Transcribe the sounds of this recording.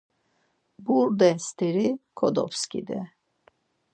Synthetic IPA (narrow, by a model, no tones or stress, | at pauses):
buɾd̪ɛst̪ʰiɾikʰɔd̪ɔ̰pskḭd̪ɛ